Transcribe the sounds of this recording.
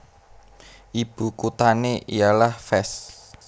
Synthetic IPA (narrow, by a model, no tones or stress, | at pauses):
ʔib̥ṳkut̪aneʔijalahfɛs